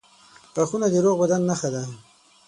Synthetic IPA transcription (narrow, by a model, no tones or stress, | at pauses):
paxunad̪eɾoɣbad̪anːaxad̪a